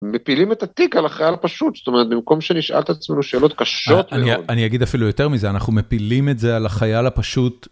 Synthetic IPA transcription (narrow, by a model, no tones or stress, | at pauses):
mepilimet̪at̪ikalaχajalapaʃut̪st̪omeʁet̪̚bimko̞mʃeniʃʔa̰lt̪at͡sme̞nuʃe̞ːlo̞t̪kaʃo̞t̪meniod̪anijaɡid̪afilujo̞te̞ʁmizeanaχnumepilimetzealaχajalapaʃut̪